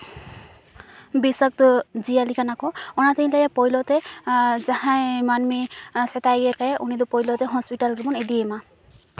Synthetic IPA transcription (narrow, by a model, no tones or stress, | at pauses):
bisɔk̚t̪ɔd͡ʒijalikanakɔɔnat̪iĩlejapɔjlɔt̪ed͡ʒahãmanmiset̪ajɡeɾkaʔunid̪upɔjlɔt̪eɦɔspiʈalɡibɔned̪ijema